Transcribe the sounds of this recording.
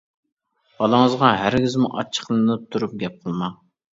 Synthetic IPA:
b̥ɑlˠɑŋəzʁɑɦæɾɡʲizmuʔɑ̰t͡ʃʰːə̥χlˠɨnɨp̚t̪ʰuɾup̚ɡʲɛp̚qʰəlˠmɑ

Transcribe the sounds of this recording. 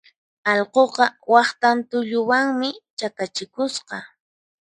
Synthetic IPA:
ɑʎqoqɑwɑχt̪ant̪ʊʎʊwaŋmɪt͡ʃakat͡ʃɪkʊsqɑ

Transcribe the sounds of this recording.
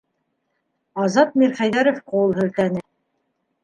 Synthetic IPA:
ɑzɑt̪̚miɾχæjðæɾofqowɤ̆lˠɦɘ̆lt̪ænɘ

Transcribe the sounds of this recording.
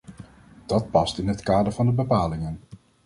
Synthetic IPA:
d̥ɑt̚pɑstɪnɦətkaːdəɹvɑndəbəpaːlɪŋən

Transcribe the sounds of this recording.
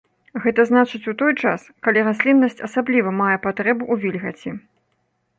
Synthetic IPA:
ɣɛt̪ɐznat͡ʂɨt͡sʲut̪ɔjt͡ʂaskalʲiɾasʲlʲinːɐsʲt͡sʲɐsablʲivɐmajɛpat̪ɾɛbuʔuvʲilʲɣɐt͡sʲi

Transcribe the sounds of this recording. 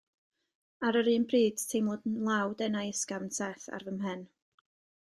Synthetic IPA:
aɾəɾɨːnbriːd̥tʰejmlˠɔdnlˠawdɛnajəskavnsɛθa̰rvəmɦɨn

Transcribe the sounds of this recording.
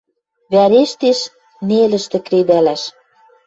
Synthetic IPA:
βæɾeʃt̪eʃ | nelə̆ʃt̪ɘ̆kɾed̪ælæʃ

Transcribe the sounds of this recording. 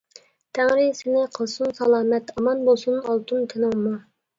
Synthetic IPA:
t̪ʰæŋɾɪsɪnɪqʰəlˠsunsɑlˠɑːmɛt̪ɑmɑnbolˠsunɑlˠt̪ʰunt̪ʰɪnɪŋmu

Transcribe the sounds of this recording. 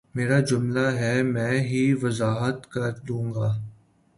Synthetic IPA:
meːɾad͡ʒʊmlaɦɛmɛ̃ːɦiʋɐzaːɦət̪kɐɾd̪ũːŋɡaː

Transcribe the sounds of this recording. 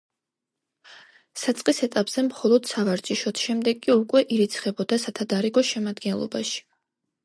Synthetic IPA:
sat̪sʼqʼisɛt̪ʼapʼz̥ɛmχɔlˠɔd̪̥savaɾt͡ʃʼiʃɔt̪ʰʃɛmd̪ɛɡʼiukʼwɛʔiɾit̪sʰχɛbɔd̪asat̪ʰad̪aɾiɡɔʃɛmad̪ɡɛnlˠɔ̰ba̰ʃi̥

